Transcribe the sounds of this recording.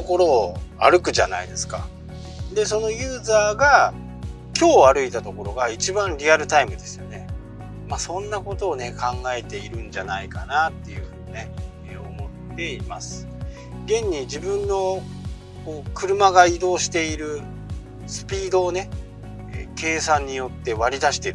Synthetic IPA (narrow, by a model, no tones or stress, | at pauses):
t̪oko̞ɾo̞ːa̰ɾɯ̟kɯ̟ʑa̰na̰id̪e̞sɨ̥ka̰ | d̪e̞s̬o̞no̞jɯ̟ːzaːɡa | kʲo̞ːaɾɯ̟it̪at̪o̞ko̞ɾo̞ɡait͡ɕibãnɾʲiaɾɯ̟t̪aimɯ̟d̪e̞sɨjo̞ne̞ | maːsõ̞nːako̞t̪o̞ːne̞kãŋɡae̞t̪e̞iɾɯ̟̃ɲ̟d͡ʑanaikanat̪ːe̞jɯ̟ɸɯ̟ːɲ̟ine̞ | o̞̰mo̞t̪ːe̞ima̰sɨ̥ | ɡẽ̞ɲ̟ːid͡ʑibɯ̟̃nːo̞ | koːkɯ̟ɾɯ̟maɡaid̪o̞ːɕi̥t̪e̞iɾɯ̟ | sɨ̥pʲiːd̪o̞ːne̞̰ | ke̞ːsãɲ̟ːijo̞t̪ːe̞βaɾʲid̪aɕi̥t̪e̞ɾɯ